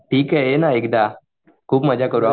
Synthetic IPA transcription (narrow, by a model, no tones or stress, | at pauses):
ʈʰiːkɦɛenaek̚d̪a | kʰuːbməd͡ʑʱakəɾua